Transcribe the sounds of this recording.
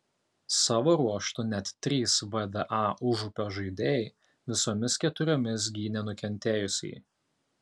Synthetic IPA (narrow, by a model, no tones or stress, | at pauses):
sɑːʋoːɾuɔʃt̪ʊnʲɛt̪tʲːɾʲiːsʋɛd̪ɐʔɑːʔʊʒupʲoːʒɐɪd̪ʲeːj | ʋʲɪsoːmʲɪskʲɛt̪ʊɾʲoːmʲɪs̬ɡʲiːnʲɛnʊkʲɛnʲt̪ʲeːjʊsʲɛ̰ɪ